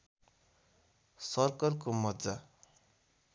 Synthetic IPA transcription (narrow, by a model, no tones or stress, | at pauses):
sʌrkʌrkomʌd͡za